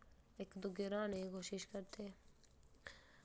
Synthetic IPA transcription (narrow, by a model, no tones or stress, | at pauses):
ekd̪ʊɡɪɾaːneikoːʃɪʃkəɾt̪e